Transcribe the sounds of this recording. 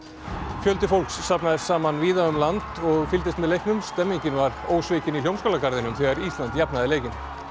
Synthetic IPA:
fjœlt̪ɪfowlksːapnaðɪ̥saːmanviːðaʏmlant̪ɔɣfɪlt̪ɪst̪mɛðlejhknʏmst̪ɛmːiɲcɪnvaɾoːwsvɪːcɪniljowmskowlakaɾðɪnʏmθɛɣaɾist̪lant̪japnaðɪleːjcɪn

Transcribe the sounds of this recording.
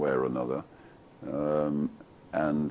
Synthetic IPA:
ɛɹənʌðə˞ | m | ʔə̃n

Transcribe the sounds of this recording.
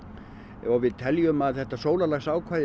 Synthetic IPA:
ɔwvɪðt̪ʰɛljʏmaðθɛht̪asoːwlalaxsaːwkʰvaːðɪ

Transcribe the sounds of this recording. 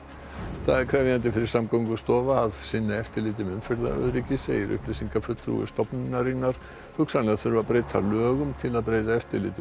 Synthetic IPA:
θaðɛɾkʰɾɛvðjant̪̬ɪfɪɾɪɾ̥samkowŋkʏst̪ɔːvaaðsɪnːaɛft̪ɪɾlɪːt̪̬ɪmʏmfɛɾla̰œ̰ðɾicɪsɛɪɾʔʏ̰hplɪsiŋkafʏt̪ɾṵɣʏ̰st̪ɔpnɪnːaɾinːaɾ̥ | hʏksanlɛɣaðθʏɾʏvapɾeːjt̪ʰa̰lœːɣʏmt̪ʰɪlaðpɾejt̪aɛft̪ɪɾlɪ̰ːt̪ɪ

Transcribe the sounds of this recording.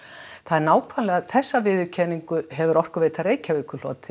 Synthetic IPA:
θaðɛɾnaːwkʰvanlɛɣaðθɛsːavɪːðʏcʰɛniŋkʏɦɛvʏɾɔr̥kʏveːt̪aɾeːjcavɪkʏl̥ɔ̰ːt̪ɪ̥

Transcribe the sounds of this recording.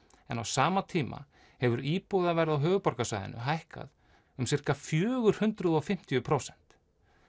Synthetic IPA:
ɛna̰wsaːmat̪ʰiːmʔa̰ | hɛvʏɾiːpowðavɛɾɪðawɦœːɣʏpɔɾkasajðɪ̰nʏ̰ɦajhka̰ð | ʏmsɪr̥kafjœːɣʏɾ̥hʏnt̪ɾʏðɔfɪm̥t̪ijʏpʰɾowsɛn̥t̪

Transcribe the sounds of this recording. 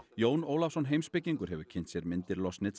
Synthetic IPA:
joːwnoːwlafsɔnɦeːjmspɪcːiŋkʏɾɦɛvʏ̥cʰɪnt̪sjɛɾmɪnt̪ɪɾlɔsnɪt̪

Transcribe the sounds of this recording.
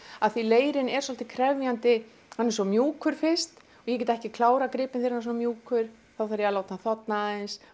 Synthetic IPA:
aðθvileːjɾɪnɛɾ̥sɔl̥t̪ɪkʰɾɛvjant̪ɪ | hanːɛɾ̥sɔmjuːkʰʏɾ̥fɪr̥st̪ | ɔjɛc̬ɛːt̪aɛhcɪkʰlaːwɾakɾɪːpɪnθeɾhanːs̬ɔnamjuːkʰʏɾ̥ | θawθaɾjɛalaːwt̪naθɔt̪naɪns

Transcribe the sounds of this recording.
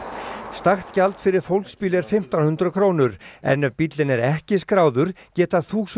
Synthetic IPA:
st̪axt̪calt̪fɪɾɪɾ̥fowlkspiːlɛɾ̥fɪm̥t̪anhʏnt̪ɾʏkʰɾoːwnʏɾɛ̰nːœvpit̪lɪnɛɾɛhcɪskɾaːwðʏɾ̥cɛːt̪aθuːs

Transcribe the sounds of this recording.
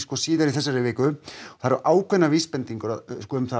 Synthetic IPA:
skvɔsiːðaɾiθɛsːaɾɪvɪːkʏɔ̥θaðɾʔaːwkʰvɛnːavispɛnt̪iŋkʏɾaðskɔʏmθa

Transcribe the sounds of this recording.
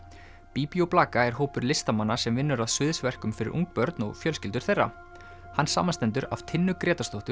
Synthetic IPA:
piːpiowplaːkaɛɾ̥ɦoːwpʏɾlɪst̪amanːasɛmvɪnːʏɾaðsʏðsvɛr̥kʏmfɪɾɪ̰ɾṵŋk̚pœɾt̪nɔ̰ɣfjœlscɪlt̪ʏɾ̥θejrːa̰ | hanːsaːmanst̪ɛnt̪ʏɾa̰v̥t̪ʰɪnːʏkɾɛːt̪ast̪owht̪ʏ

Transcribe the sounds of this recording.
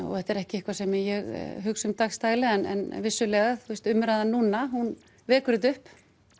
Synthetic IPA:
ɔ̰θɛht̪ɛɾɛhcɪɪhkvasɛmɪjɛɣɦʏksʏmt̪axst̪aːjlɪɛnʔɛ̰nvɪsːʏlɛːɣaθust̪ʏmːɾaðanuːnaɦun | vɛːkʏɾɪðʏhp

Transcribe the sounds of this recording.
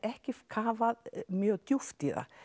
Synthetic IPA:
ɛhcɪfkʰaːvaðmjœɣt̪juft̪iða̰

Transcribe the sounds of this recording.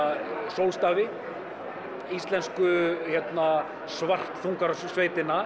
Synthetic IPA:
sowlst̪aːvɪ | ist̪lɛnskʏçɛt̪na | svar̥t̪θuŋkaɾasvejt̪ɪna

